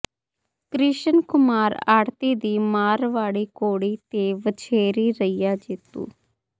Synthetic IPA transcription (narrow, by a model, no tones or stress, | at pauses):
kɾɪʃənkʊmaːɾaːɽt̪iːd̪iːmaːɾʋaːɽiːkoːɽiːt̪eːʋət͡ʃʰeːɾiːɾəijaːd͡ʒɪt̪ːṵː